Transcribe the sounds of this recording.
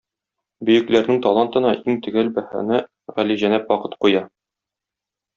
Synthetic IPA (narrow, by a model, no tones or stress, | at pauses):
bɵ̆jɘ̆klæɾnɘŋt̪ɒlˠɑnt̪ɤ̆nɑʔiŋt̪ɵ̆ɡælbæhæ̰nɘ | ʁæliʑænæpwɒqɤ̥t̪qujɑ